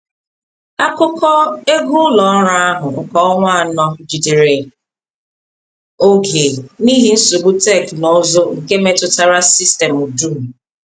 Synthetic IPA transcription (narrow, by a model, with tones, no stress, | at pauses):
a˦kʊ˦kʰɔ˦e˦ɡu˦lɔ˨˦ɾa˦a˦ɦʊ˨ŋ̩˨kɔ˦ɔ˦ŋʷa˦˨nɔ˦d͡ʒi˨di˨ɾe˨ | o˦ɡe˨ni˦ɦi˦n̩˦su˨ɡ͡bu˦tɛ˦˨knɔ˨˦zo˦ŋ̩˨ke˦me˨tʊ˨ta˦ɾa˦si˦ste˨mu˨du˦˨